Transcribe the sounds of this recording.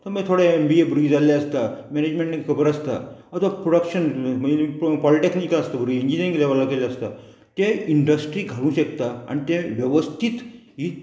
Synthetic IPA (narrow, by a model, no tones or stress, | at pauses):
t̪əməɡt̪ʰoɽeembiebɾuid͡zaljaəst̪amened͡ʑmẽɳʈekkʰəbəɾəst̪a̰ət̪apɾoɽəkɕənməippɔliʈeknikaəst̪abɾuiiɲd͡ʑinĩnklaʋalakeljaast̪a | t̪ẽiɳɖəsʈɾiːɡʱalũːɕekt̪aa̰ñit̪ẽʋjəʋəst̪ʰit̪ | ɦi